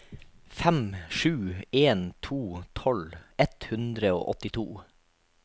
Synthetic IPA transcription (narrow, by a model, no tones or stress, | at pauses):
fɛmʃʉːeːnt̪ʰuːt̪ʰɔlɛt̪hʉnd̪ɾəo̰ːʔɔt̪ɪt̪ʰuː